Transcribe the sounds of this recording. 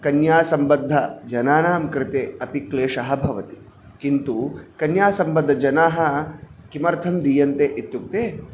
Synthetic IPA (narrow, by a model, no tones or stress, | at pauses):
kɐnjaːsɐmbɐd̪ʱːɐd͡ʒɐnaːnaːmkɾɪt̪eːɐpikleːʂɐɦɐ̆bʱɐʋɐt̪i̥ | kint̪ukɐnjaːsɐmbɐd̪ʱːɐd͡ʒɐnaːɦɐ̆kimɐɾt̪ʰɐmd̪ijɐnt̪eʔit̪juk̚t̪eː